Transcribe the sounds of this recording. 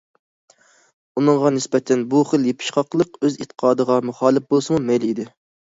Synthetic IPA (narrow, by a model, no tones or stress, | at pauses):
unɨŋʁɑnɪsbɛt̪ʰɛnbuχəlˠjepʰɪ̥ʃχɑqlˠəqøzit̪ʰːə̥qʰɑːd̪əʁɑmuχɑːlˠɪf̚bolˠsɨmumɛjlid̪ɪ